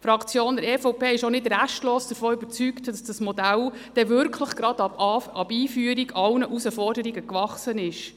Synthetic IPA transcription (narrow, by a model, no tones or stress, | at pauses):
fɾɑkt͡sjoːndɛɾɛfɔʊpʰeːɪʃonɪdræʃtloːsd̥əɾfɔːybəɾt͡syktd̥ɑsd̥ɑsmɔdæl | d̥ɛvʏɾkʰləχɡ̥ɾɑd̥ɑbiːfyːəɾiɡɑwnəʔusəfɔrdəɾiɡəkvɑχsənɪʃ